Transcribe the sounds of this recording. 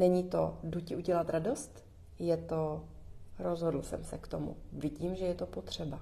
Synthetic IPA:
nɛɲit̪o̞̰ducɪʔuɟɛlat̪ɾado̞st̪ | jɛt̪o | ɾo̞zɦodl̩sɛ̰msɛkt̪o̞mṵvɪɟiːmʒɛjɛt̪opo̞t̪r̝̥ɛba

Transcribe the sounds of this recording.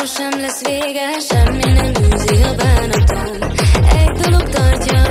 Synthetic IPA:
oʃɛmlɛsːʋeːɡɛʃɛmːinɛmbuːziɡɒbaːnɒt̪onɛɟd̪olokt̪ɒrcɒ

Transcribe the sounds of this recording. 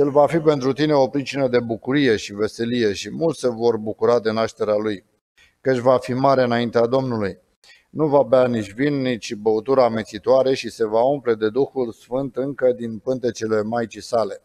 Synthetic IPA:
je̞lvafipe̞nt̪ɾut̪ine̞o̞pɾit͡ʃinəd̪e̞bukuɾije̞ʃive̞se̞lije̞ʃimult̪se̞vo̞rbukuɾad̪e̞naʃt̪e̞ɾealuj | kət͡ʃʲvafimaɾe̞ɨnaint̪ead̪o̞mnuluj | nuvaːbeanit͡ʃʲvinːit͡ʃʲbəut̪uɾame̞t̪sit̪oaɾe̞ʃise̞vaumple̞d̪e̞d̪uxulsfɨnt̪ɨŋkəd̪inpɨnt̪e̞t͡ʃele̞majt͡ʃisale̞

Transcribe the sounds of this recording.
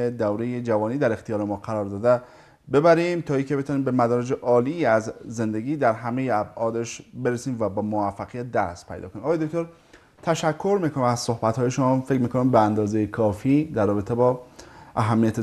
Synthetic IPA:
ed̪æwɾejed͡ʒævɒːniːd̪æɾe̞xt̪ʰijɒːɾemɒːqæɾɒːɾd̪ɒːd̪e | be̞bæɾimt̪ʰɒːiːkʰe̞be̞t̪ʰuːniːmbemæd̪ɒːɾed͡ʒe̞ʔɒːliːæzːe̞nd̪eɡiːd̪æɾɦæmejeæbɒːd̪eʃbe̞ɾesiːmvæbɒːmovæfːæɣijæt̪̚d̪æ̰st̪pʰæ̰jd̪ɒ̰konimɒɣjedokt̪oɾ | t̪ʰæʃækʰːo̞ɾmiːkʰonimæz̥so̞hbæt̪hɒːje̞ʃomːfe̞kɾmiːkʰo̞nimbeænd̪ɒːzejekʰɒːfiːd̪æɾːɒːbe̞t̪ʰebɒːʔæɦæmːijæt̪ʰe

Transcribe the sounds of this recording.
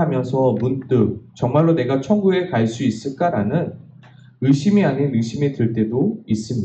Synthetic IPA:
amjʌnsʰʌmunt͈ɯk̚t͡ɕʌŋmaɭːone̞ɡat͡ɕʰʌŋɡue̞kaɭs͈uis͈ɯɭk͈aɾanɯn | ɯɕʰimiaɲinɯɕʰimitɯɭt͈e̞dois͈ɯmɲi

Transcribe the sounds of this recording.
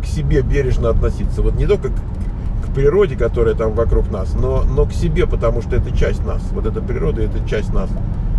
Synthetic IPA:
ksʲɪbʲe̞bʲeɾʲɪʐnəɐt̪nɐsʲit̪sːəvo̞t̪nʲɪt̪o̞lʲkək | kpɾʲɪɾo̞dʲɪkɐt̪o̞ɾɨjət̪amvɐkɾuknasno̞no̞ksʲɪbʲepət̪ɐmuʂt̪oɛt̪ət͡ɕæsʲtʲna̰svo̞t̪ɛt̪əpɾʲɪɾo̞d̪əɛt̪ət͡ɕæsʲtʲnas

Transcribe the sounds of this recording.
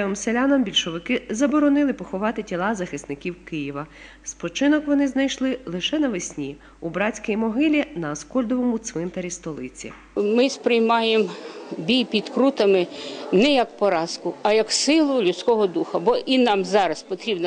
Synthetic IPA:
ʋɪmselʲanɐmbʲilʲʃɔʋɪkɪzɐbɔɾɔnɪlˠɪpɔxɔʋɑt̪ɪtʲilˠɑzɐxɪst̪nɪkʲiwkɪjiʋɐ | spɔt͡ʃɪnɔkʋɔnɪznɐjʃlˠɪlˠɪʃɛnɐʋɪsʲnʲi | ubɾɑt͡sʲkɛjmɔɦɪlʲinɐːskɔlʲd̪ɔʋɔmut̪sʋɪnt̪ɐɾʲist̪ɔlˠɪt͡sʲḭ | mɪspɾɪjmɑjembʲijpʲid̪kɾut̪ɐmɪnɛjɐkpɔɾɑskʊɐjɐksɪlˠʊlʲʊt̪sʲkɔɦɔd̪uxɐbɔʔinɑmzɑɾɐspɔt̪ɾʲibn

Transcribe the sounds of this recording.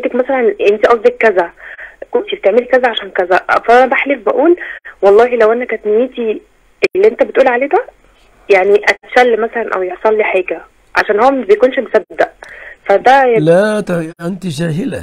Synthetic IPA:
t̪ekmæsælænʔent̪iʔɑsˤd̪ekːæzækont̪ibt̪eʕmelikæzæʕaʃæːnkæzæʔʔfæænæbæħlefbæʔuːlwɑlˤːɑːɦilæwʔænækæt̪nejiːt̪i | elːiʔent̪æbet̪ʔuːlʕaleːd̪æ | jaʕniʔæt̪ʃælːmæsælænʔæ̰wjeʕsˤɑlːiːħeːɡæ | ʕa̰ʃæːnhowmæbejkuːnʃmosæbːedd̪æʔfæd̪ælæt̪ʔent̪iʒæːɦelæ

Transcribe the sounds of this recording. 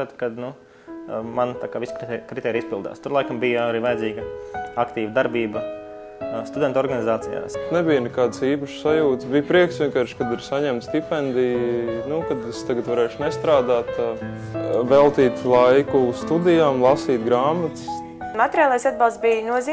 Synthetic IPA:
at̪kad̪nu | mant̪akaːʋiskɾikɾit̪ɛːɾiispilˠd̪a̰ːst̪uɾlˠajkambijəaɾiːʋajɛziːɡɐakt̪iːʋəd̪aɾbiːbɐ | st̪ud̪ɛnt̪ɔɾɡanizaːt̪sija̰ːsnɛbijnɛkaːd̪siːpaʃsajuːt̪sbijpɾiɛksʋʲiɛnkaːɾʃkad̪iɾsaɲɛmt̪st̪ipɛnd̪ijnukad̪ɛst̪aɡat̪vaɾɛːʃnɛst̪ɾaːd̪aːt̪ | vɛlˠt̪iːt̪lˠajkust̪ud̪ijaːmlˠɑsiːt̪ɡɾaːmat̪s | mat̪ʲeɾʲijaːlˠajsad̪balˠt̪bijnuɔziː

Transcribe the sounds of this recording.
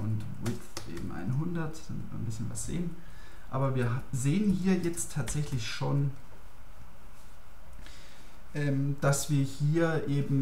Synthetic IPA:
ʔʊnt | mɪt | ʔḛːbm̩ʔa̰ɪnɦʊndɐtd̥amɪtmḭːnbɪsçənva̰sz̥ḛːən | ʔa̰ːbɐviːɐzeːənhiːɐjɛt͡stʰːaːtz̥ɛçlɪçʃoːn | ʔɛːmd̥asv̥iːɐhiːɐʔeːbm̩

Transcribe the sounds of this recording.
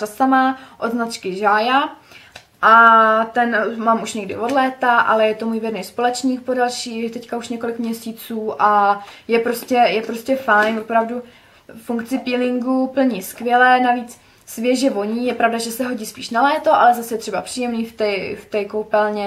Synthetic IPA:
asamaʔod̪znat͡ʃkɪʒaːja | ʔat̪ɛnmaːmuʃɲɛɡdɪ̰vo̞dlɛːt̪aʔa̰lɛjɛt̪o̞muːjvɛdnɛjspo̞lɛt͡ʃɲiːk̚podalʃiːt̪ɛckauʃɲɛko̞lɪkmɲɛsiːt͡suːʔajɛpɾo̞scɛjɛpɾo̞scɛfajnvopɾavdu | fuŋkt͡sɪpiːlɪŋɡupl̩ɲiskvʲjɛlɛːnaviːt͡s | svjɛʒɛvo̞ɲiːjɛpɾavdaʒɛsɛɦo̞ɟiːspiːʃnalɛːt̪o̞ʔalɛzasjɛt̪r̥ɛbapr̥iːjɛmniːft̪ɛft̪ɛːkowpɛlɲɛ

